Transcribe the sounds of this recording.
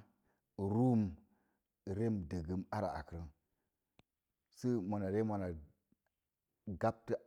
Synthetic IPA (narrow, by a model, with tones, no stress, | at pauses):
ɾu˦m | ɾe˦mdə˨ɡə˦ma˦ɾa̰˨a̰˨kə˨ɾə˦n | si˦mo˨na˨ɾe˦ma˨na˨ | ɡa˦p̚tə˦